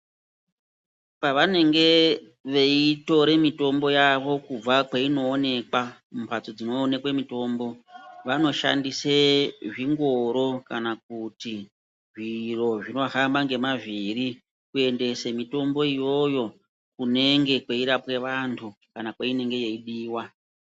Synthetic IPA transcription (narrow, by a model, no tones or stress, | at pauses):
paʋane̞ŋɡe̞ | ʋe̞ito̞ɾe̞mito̞mbo̞jaʋo̞kub͡vakweino̞ːne̞kwaumpat͡sod͡zino̞ːne̞kwemito̞ːmbo̞ʋano̞ʃa̰ndiseʐiŋɡo̞ɾo̞kanak̚uti | ʐiro̞ʐino̞ɦambaŋɡe̞maʐiri | kue̞nde̞semito̞mbo̞ijo̞jo̞ | kune̞ŋɡe̞kweiɾapwe̞ʋantʰukanakwaine̞ŋɡe̞je̞iɗiːwa